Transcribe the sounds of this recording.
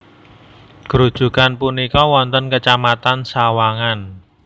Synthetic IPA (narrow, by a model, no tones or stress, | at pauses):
ɡ̥ɾud̥ʒ̥ṳkanpunikɔwɔnt̪ənkət͡ʃamat̪ansawaŋan